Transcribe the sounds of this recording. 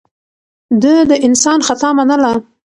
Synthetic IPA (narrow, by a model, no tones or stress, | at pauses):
d̪əd̪əʔɪnsɑnxat̪ɑmanəla